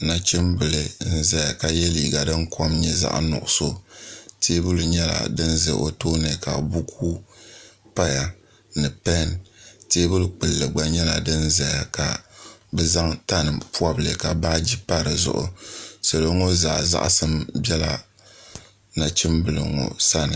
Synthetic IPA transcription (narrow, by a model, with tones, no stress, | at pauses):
na˨t͡ʃɪ˦mbɨ˨lɨ˨n̩˦za˨ja˨ka˨jɛ˦li˨ɡa˨dɨ˦ŋkʰo˦mɲɛ˦za̰˦ʔnʊ̰˨ʔʊ˨so˦tʰeː˦bɨ˦lɨ˨ɲɛ˦la̰˨dɨ˦nzɨ̰˨ʔo˨to˦nɨ˨ka˨bu˦kʰuː˦ | pa˦ja˨ | nɨ˨pɛ˦nteː˦bɨ˦lɨ˨k͡pɨ˨lːɨ˨ɡ͡ba˦ɲɛ˦la˨dɨ˦n˦za˨ja˨ka˨bɛ˦za˦ŋta˦nɨ˨pu˦a˦bɨ˨lɨ̰˨ka˨ba˦d͡ʒi˦pa˦ɾɨ˨zʊ̰˦˨ʔʊ̰˨so˨lo˨˦ŋo˦zaː˨za̰˦ʔsɨ˦mbɛ˦la̰˨ | na˨t͡ʃɪ˦mbɨ˨lɨ̰˨ŋɔ̰˨sa˦nɨ˨